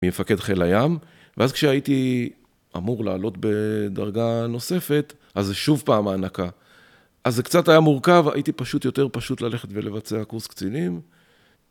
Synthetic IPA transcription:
mimefake̞dχelajam | veazkʃeaiti | ʔa̰muʁla̰ːlo̞tbe̞da̰ʁɡano̞se̞fe̞t̪ | ʔazːeʃuvpaːmaːnaka | ʔazːekt͡satajamuʁkava̰ʔitipaʃutjo̞te̞ʁpaʃutlale̞χetve̞le̞vat͡se̞akuʁskt͡silim

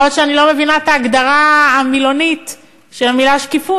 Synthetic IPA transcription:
otʃeanilo̞me̞vinaet̪aːɡd̪aʁaamilo̞nit | ʃeamilaʃkifu

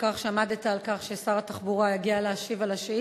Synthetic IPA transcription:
kaχʃamad̪et̪aːlkaχʃesaʁat̪aχbuʁajaɡialeːʃivalaʃi

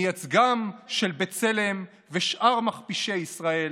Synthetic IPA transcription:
jat͡sɡamʃelbet͡sele̞m | veʃʔaʁmaχpiʃejisʁae̞l

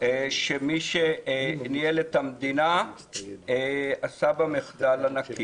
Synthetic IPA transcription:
ʃemiʃenielet̪amd̪ina | asabameχd̪alanakʰi

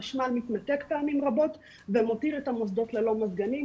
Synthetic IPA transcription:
ʃmalmit̪mat̪ekpeamimʁabo̞t | vemotiʁetamosd̪o̞tlelo̞mazɡani

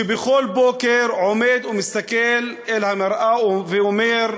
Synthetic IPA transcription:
bɪxoːlboːkɪɾʕʊmeːd̪wmɪst̪akelʔɪlhamɪɾʔavɪʔʊmeːɾ

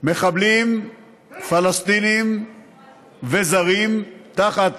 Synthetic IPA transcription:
meχablim | falast̪inim | vezaʁimt̪aχat̪

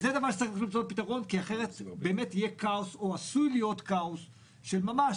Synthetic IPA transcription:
zed̪avaʁʃe̥t͡saixlilimt͡sot̚pit̪aʁo̞nkiaχe̞ʁet̪bbe̞ːmetijekaoso̞asujlijo̞tkaos | ʃe̞lmamaʃ

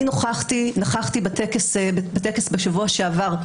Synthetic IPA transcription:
noχaχt̪inaχaχt̪ibat̪ekesbbat̪ekesbeʃavuaʃeavaʁ

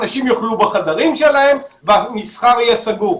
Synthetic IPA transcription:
naʃimjoχlubaχad̪aʁimʃelahe̞mveanisχaʁijesaɡu

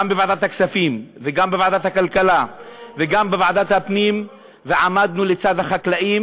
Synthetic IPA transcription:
ambevaʕd̪at̪haksafimveɡambevaʕd̪at̪hakalkalaveɡambevaʕd̪at̪hapnim | veʕamad̪nulet͡sad̪haχaklaʔim

